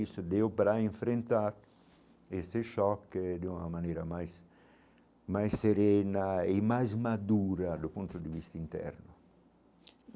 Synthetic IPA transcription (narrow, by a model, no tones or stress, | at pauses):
ist̪ʊd̪eupɾaiɱfɾent̪aɾ | est̪eʃɔkːd̪unamaneːɾamajs | majsːeɾɛnaemajzmad̪uːɾad̪upunt̪ʊd̪ivist̪int̪ɛ̰ɾnʊ